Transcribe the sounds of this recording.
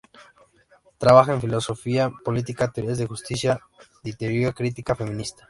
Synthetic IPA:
t̪ɾaβaxaeɱfilo̞so̞fiapo̞lit̪ikat̪eɾezðexust̪isja | ðit̪ejiakɾit̪ikafe̞mĩnist̪ḁ

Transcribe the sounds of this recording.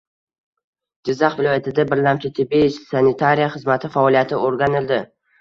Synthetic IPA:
d͡ʒɪzːaχvɪlˠɒjat̪ʰɪd̪abɪɾlamt͡ʃʰɪt̪ʰɪbet͡ʃsanɪt̪ʰaɾijaχɨzmat̪ʰɪfaɒlˠijat̪ʰɪʔoɾɡʲanɪld̪ɪ

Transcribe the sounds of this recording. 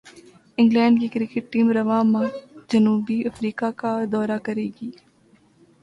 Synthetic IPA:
ɪ̃ŋɡlɛ̃ːɳɖkikɾɪkɪʈ̚ʈiːmɾɐʋãːmãːd͡ʒənuːbiɐfɾiːkakad̪ɔːɾakɐɾeːɡiː

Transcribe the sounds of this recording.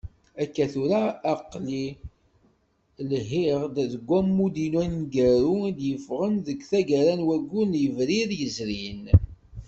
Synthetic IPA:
ækːæθuɾaːqli | lɦiʁd̪ðəɡʷːæmːud̪inwænɡæɾud̪jəfʁənðəɡθæɡæɾænwæɡːunjəvɾiɾjəzɾin

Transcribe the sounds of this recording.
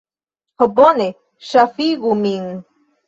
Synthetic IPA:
hobone | ʃafiɣumiŋ

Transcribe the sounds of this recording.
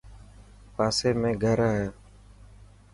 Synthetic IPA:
pasemɛ̃ɡaɾaja

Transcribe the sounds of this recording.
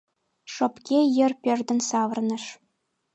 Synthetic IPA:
ʂŏpkʲejɘ̆rpʲerd̪ɘ̆nsɑʋɤ̆rnɤ̆ʂ

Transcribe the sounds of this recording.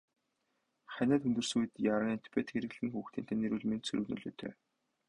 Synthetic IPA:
χænʲæːt̪ɵnt̪ɵ̆rsujɘ̆t̪jaɾə̆ŋant̪ʰi̥pʰet̪xeɾɘ̆ɣɮɘ̆ŋxuːxt̪ʰiːnt̪ʰæːniɾuːɮmensɵ̰ɾɵ̆nɵ̰ɮo̰ːt̪ʰœ̰ː

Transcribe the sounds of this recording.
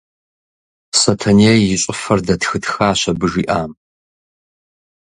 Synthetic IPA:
sɐtʰɐneːjɪɕʷʼɪfɐrdɐtxɨtxaːɕɐbɨʒiːʔaːm

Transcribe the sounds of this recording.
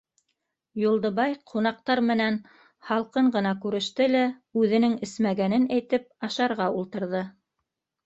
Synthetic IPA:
julˠd̪ɤ̆βɑjqʰunɑq̚t̪ɑɾmɘ̆næn | hɑlˠqɤɴɢɤ̆nɑkʉɾɘ̆ʃt̪ɘlæʉðɘ̆nɘŋɘ̆smæɡænɘnæjt̪ɘp̚ɑʃɑɾʁɑulˠt̪ɤ̆ɾðɤ

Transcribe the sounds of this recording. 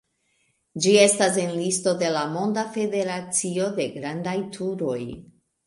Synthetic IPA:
d͡ʒie̞stas̬e̞nlisto̞de̞lamo̞ndafe̞de̞ɾat͡sio̞de̞ɡɾandajtʰuɾo̞j

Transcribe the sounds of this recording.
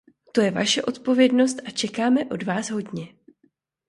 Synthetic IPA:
t̪o̞jɛva̰ʃɛʔo̞t̪po̞vjɛdno̞st̪ʔat͡ʃɛkaːmɛʔo̞dvaːsɦo̞dɲɛ

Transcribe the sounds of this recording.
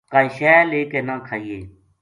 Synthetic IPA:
kaːiʃɛːleːkeːnãːkʰaːiːeː

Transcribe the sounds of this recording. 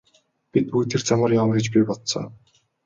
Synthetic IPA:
pit̪ujt̪ʰert͡samə̆ːrjamrɡʲĕt͡ɕpiːpɔt̪sɔ̰ː

